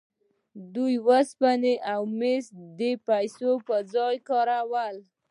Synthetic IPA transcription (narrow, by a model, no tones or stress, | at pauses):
d̪ujwəspaneʔawmesd̪epajsopəd͡zɑjkɑɾawəl